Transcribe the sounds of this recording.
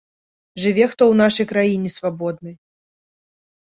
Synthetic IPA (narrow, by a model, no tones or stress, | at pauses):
ʐɨvʲɛxt̪ɔwnaʂɐjkɾajinʲɛsvabɔd̪̚nɨ